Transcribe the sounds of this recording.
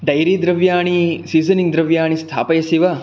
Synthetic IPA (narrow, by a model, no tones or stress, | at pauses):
ɖɐjɾiːd̪ɾɐʋjaːɳisiːzɐniŋɡd̪ɾɐʋjaːɳist̪ʰa̰ːpɐjɐsiʋɐ